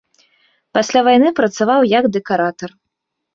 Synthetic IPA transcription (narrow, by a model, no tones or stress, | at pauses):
pasʲlʲavajnɨpɾɐt̪savawjɐɡd̪ɛkaɾat̪ɐr